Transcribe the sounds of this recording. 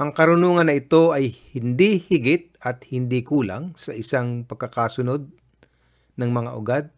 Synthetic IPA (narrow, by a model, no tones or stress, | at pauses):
ʔɐŋkɐɾʊnuːŋɐnːɐʔɪt̪o̞ʔɐjhɪnd̪ihɪɡɪt̪̚ɐt̪̚hɪnd̪ikuːla̰ŋsɐʔɪsaŋpɐɡ̚kːɐkaːsʊno̞d̪̚ | nɐŋmɐŋaʔʊɡad̪̚